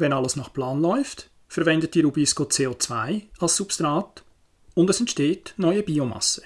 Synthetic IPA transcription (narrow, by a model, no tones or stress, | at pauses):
vɛnɑləsnɑχplɑːnlɔʏft | fəɾvɛndətiːɾubiskot͡seːot͡svaɪɑlssupst̪ɾɑːt | ʊndɛsɛntʃteːtnɔʏəbiːomɑ̰sːə̥